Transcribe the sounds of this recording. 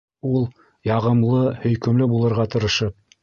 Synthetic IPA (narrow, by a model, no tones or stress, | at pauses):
ulˠ | jɑʁɤ̆mlˠɤhɵ̆jkɵ̆mlɘbulˠɤ̆ɾʁɑt̪ɤ̆ɾɤ̆ʃɤp̚